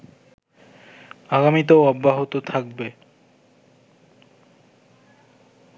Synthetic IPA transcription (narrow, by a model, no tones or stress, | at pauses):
aɡamit̪̬aoɔbːaɦot̪ot̪ʰak̚be